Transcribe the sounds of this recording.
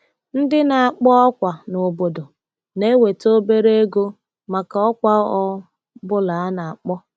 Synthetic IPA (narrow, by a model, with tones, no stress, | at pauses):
n̩˦dɪ˦na˨a˨k͡pɔ˦ɔ˦kʷa˨no˨bo˨do˨ | ne˦we˨to˦be˦ɾe˦e˦ɡo˦ | ma˨ka˨ɔ˦kʷa˦ɔ˦ | bʊ˦la˨a˦na˨a˨k͡pɔ˦